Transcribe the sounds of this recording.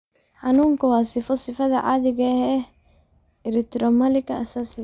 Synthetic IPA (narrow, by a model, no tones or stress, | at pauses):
ħɑnuːŋkʰɐwɑːsɪfɔsɪfɐðɐʕa̰ðɪɣɐhɛ | ɪɾɛkt̪ɾɔmɐlɪkʰɐɐsaːsɪ